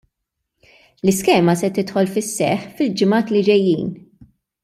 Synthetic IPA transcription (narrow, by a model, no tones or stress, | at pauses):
lɪskɛːmɐsɛt̪ɪt̪ħɔlfɪsːɛ̰ħfɪld͡ʒɪmɐːt̪lɪd͡ʒɛjːḭːn